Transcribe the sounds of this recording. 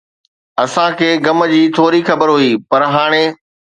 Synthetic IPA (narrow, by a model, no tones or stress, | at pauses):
ɐsãkʰeːɡɐmə̆d͡ʑiːt̪ʰoːɾixɐbəɾɦuiːpɐɾɦaːɽ̃e